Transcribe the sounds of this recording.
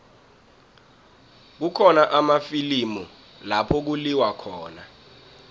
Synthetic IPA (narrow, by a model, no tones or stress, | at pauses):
k̬ukʰɔnaʔamafilimu | lapʰɔk̬uliwakʰɔːna̰